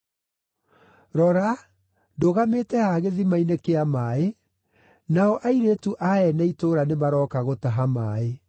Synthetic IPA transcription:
ɾɔɾa | doɣametɛhaɣeðimainekeamaːe | naɔʔaiɾetuʔaɛnaitoɾanemaɾɔːkaɣotaɦamaːe

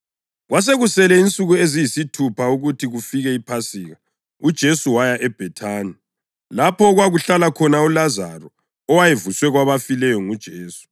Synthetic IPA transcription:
ɣwas̬eɣusɛlɛint͡sʼuɣuezijisitʰupʰauɣutʰiɣufiɣɛipʰasiːɣa | ud̥ʒ̥ʱesuwajaʔɛb̥ʱɛtʰaːni | lapʰɔɣwaɣuɬalakʰɔnaulazarɔː | wajevuswɛɣwaβafilɛjɔŋud̥ʒ̥ʱeːsu̥

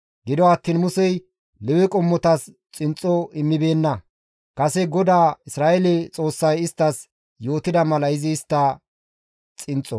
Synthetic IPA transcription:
ɡɪd̪ɔɐt̪ːiːnmʊsɛj | lɛwɪkʼɔmːɔt̪ɐs | t͡sʼɪnt͡sʼɔɪmːɪbe̞ːnːɐ | kʼɐsɛɡɔd̪aːɪsɾaːʔɛlɛt͡sʼo̞ːsːɐjɪst̪ːɐs | jo̞ːt̪ɪd̪ɐmɐlɐɪzɪːst̪ːɐ | t͡sʼɪnt͡sʼːɔ

